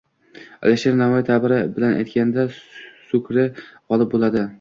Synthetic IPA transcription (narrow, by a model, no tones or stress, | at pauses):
a̰leʃeɾnamɒjit̪ʰabɪɾɪbɪlanʔa̰jt̪̚kʲanɪd̪asʊkʲʰɾɪqɒlˠɪp̚bolˠad̪ɪ